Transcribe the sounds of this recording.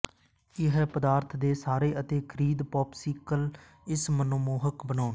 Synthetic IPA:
ɪɦɛpəd̪aːɾt̪ʰd̪eːsaːɾeːʔət̪eːkʰəɾiːd̪pɔːpsiːkəl | ɪsmənoːmoːɦəkbənaːn

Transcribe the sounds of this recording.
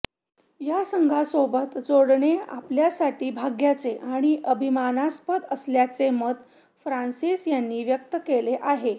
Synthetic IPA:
jasəŋɡʱasobət̪d͡zoɽɳea̰pljasaʈiːbʱaɡjat͡seʔaɽ̃iʔəbʱimanaspəd̪əsljat͡semət̪ | fɾansisjanːiːʋjək̚t̪əkeleʔaɦe

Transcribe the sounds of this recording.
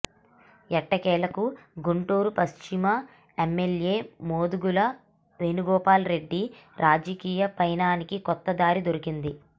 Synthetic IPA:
ɛʈːɐkɛːlɐkuɡuɳʈuːɾupɐst͡ʃimɐ | emːelje̞ːmoːd̪uɡulɐ | ʋe̞ːnuɡɔːpaːlɾe̞ɖːiɾʔaːd͡ʒɐkiːjɐpɐjnaːnikikɔt̪ːɐd̪aːɾid̪o̞ɾikind̪i

